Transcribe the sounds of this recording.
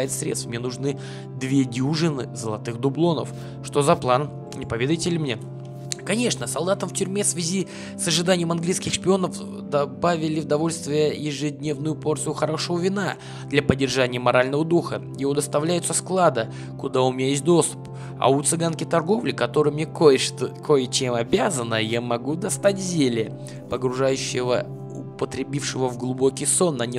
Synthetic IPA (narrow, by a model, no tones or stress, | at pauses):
jɪt̪sɾʲet̪st̪fmnʲenʊʐnɨ | d̪vʲe̞dʲuʐɨnɨzəlˠɐt̪ɨxd̪ʊblˠo̞nə̰f | ʂt̪o̞zɐplˠan | nʲɪpɐvʲe̞d̪əjtʲɪlʲɪmnʲe | kɐnʲe̞ʂnəsɐlˠd̪at̪əmftʲʏɾʲmʲefsvʲɪzʲi | səʐɨd̪anʲɪjəmɐnɡlʲijskʲɪxʂpʲɪo̞nəf | d̪ɐbavʲɪlʲɪvʊd̪ɐvo̞lʲst̪vʲɪjəjɪʐɨdʲnʲe̞vnʊjʊpo̞rt̪sɨjʊxɐɾo̞ʂəvəvʲɪna | d̪lʲɐpədʲːɪrʐanʲɪjəmɐɾalʲnəvəd̪uxəjɪvod̪əst̪ɐvlʲæjʊt̪səsklˠad̪ə | kʊd̪aʊmʲɪnʲajes̬ʲt̚ʲd̪o̞st̪ʊ̥p | ɐ̰ʊt̪sɨɡankʲɪt̪ɐrɡo̞vlʲɪkɐt̪o̞ɾɨjmnʲekkʰo̞jət͡ɕemɐbʲazənəjamɐɡud̪ɐst̪atʲzʲelʲɪ | pəɡɾʊʐajʉɕːɪvə̰ | ʊpət̪ɾʲɪbʲifʂɨvəvɡlˠʊbo̞kʲɪjso̞nːɐnʲ